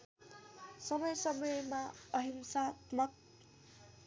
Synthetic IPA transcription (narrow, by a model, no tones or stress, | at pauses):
sʌmʌjsʌmʌjmaʌɦimsat̪mʌk